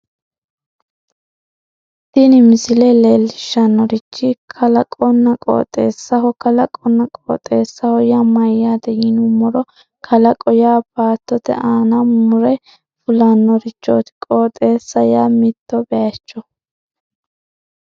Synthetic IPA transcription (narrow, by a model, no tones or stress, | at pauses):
t̪ɪnɪmɪsɪleleːlːɪʃːɐnːɔɾɪt͡ʃːɪkʰɐlɐkʼɔnːɐkʼo̰ːt̪ʼːe̞ːsːɐɦɔkɐlɐkʼɔnːɐkʼo̰ːt̪ʼe̞ːsːɐhɔjamɐjad̪ɛjɪnʊmːɔɾɔ | kʰɐlɐkʼɔjaːbaːt̪ːɔt̪ɛ̰ʔaːnɐmʊɾɛ | fʊlɐnːɔɾɪt͡ʃːo̰ːt̪ɪ̥kʼoːt̪ʼːe̞ːsːɐjamɪt̪ːɔbɛɐt͡ʃːɔ